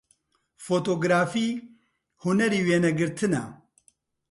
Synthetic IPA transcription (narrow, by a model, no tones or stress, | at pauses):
foːt̪oːɡɾaːfiː | hunɛɾiːweːnɛɡɨɾt̪ʰɨnɛ̰